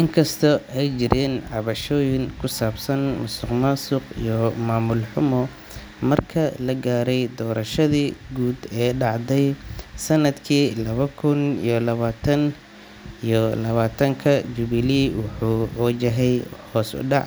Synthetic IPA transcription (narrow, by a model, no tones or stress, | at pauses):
ʔɪŋkʰɐst̪ʰɔʔɛjt͡ʃɪɾʔɛːnʕɑβɐʃɔːjɪŋkʰʊsaːbsɐnmʊst̪ɪqmasʊqḭjɔmaːmʊlħʊmɔ | mɐrkʰɐlɐɡaːɾɛjd̪ɔːɾɐʃɐðiːɡuːd̪ɛːɖɑʕd̪ɛjsɐnɐd̪kʰiːlɐβɐkʰʊnḭjɔlɐβaːt̪ʰɐn | ijɔlɐβaːt̪ʰɐŋkʰɐd͡ʒʊβɪliwɑħuːɔːt͡ʃɐɦɛjhɔːsʊ̰ɖɑʕ